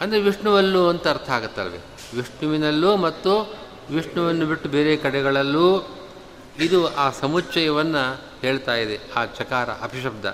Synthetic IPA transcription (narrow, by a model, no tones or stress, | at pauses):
ɐnd̪ɐɾeʋiʂɳuʋɐlːuɐnt̪ɐɐɾt̪ʰɐaːɡut̪ːɐ̰lɐʋḛ | ʋiʂɳuʋinɐlːuːmɐt̪ːu | ʋiʂɳuʋɐnːubiʈːubeːɾekɐɽɛɡɐɭɐlːuː | id̪uaːsɐmut͡ʃːɐjɐʋɐnːɐ | he̞ːɭt̪aːjid̪eaːt͡ʃɐkaːɾɐ̰ʔɐpʰiʃɐb̚d̪ɐ̰